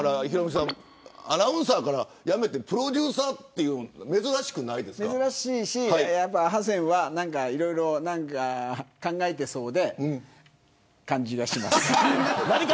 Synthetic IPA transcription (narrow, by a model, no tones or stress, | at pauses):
ɾaiçiɾomʲis̬ã | anaɯ̟̃ɰ̃saːkaɾajame̞t̪e̞pɯ̟ɾo̞d̪ʲɨːsaːt̪ːejɯme̞zɨɾaɕi̥kɯ̟naid̪e̞sɨ̥me̞zɨɾaɕiːɕiaijapːaɦazẽ̞ɰ̃βanãŋkaiɾo̞iɾo̞nãŋkakãŋɡaet̪e̞so̞ːd̪ẽ̞ | kãɲ̟d͡ʑiɡaɕima̰sɨ̥naɾʲik